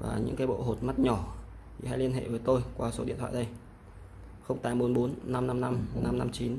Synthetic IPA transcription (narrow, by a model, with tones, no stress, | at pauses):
va̰ː˨˩ɲɨ̰˧˥ŋkaː˨˦ɓo̰˧˨ɦo˨˩t̚ma˦˥t̚ɲɔ˧˩ | t̪ʰi˨˩ha˧jli˧ənɦḛ˧˨vəː˨˦jt̪o˧jkwaː˧so˨˦ɗḭ˧˨ət̪ʰwa̰ː˧˨˩ɗə˧j | xə˧wŋ͡mt̪aː˨˦mɓo˨˦nɓo˨˦nːa˧mna˧mna˧mna˧mna˧mt͡ɕi˨˦n